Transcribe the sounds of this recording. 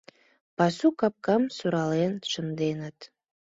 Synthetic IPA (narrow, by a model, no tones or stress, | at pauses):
pɑsukɑp̚kɑmsuɾɑlenʃə̆nd̪enət̪